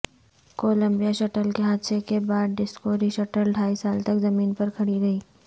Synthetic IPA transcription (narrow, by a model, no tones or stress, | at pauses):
koːlə̃mbijaʃɐʈəlkeɦaːd̪sekebaːd̪̚ɖɪskoːɾiʃɐʈəlɖʱaːisaːlt̪ɐkzɐmiːnpɐɾkʰɐɽiɡɐiː